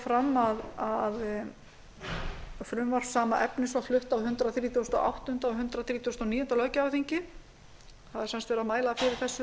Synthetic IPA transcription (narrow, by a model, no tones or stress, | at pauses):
fɾamːaðað | fɾʏmvaɾ̥fsaːmaʔɛpnɪsaflʏht̪aðhʏnt̪ɾaθɾiːt̪ʰuwst̪ɔ̰ʔa̰wht̪ʏnt̪aɔɦʏnt̪ɾaθɾiːt̪ʰust̪ɔniːjʏnt̪alœːɥcavθiɲcɪ | θaðɛɾsɛnst̪vɛːɾaðmaːjlaðfɪɾɪɾ̥θɛsːʏ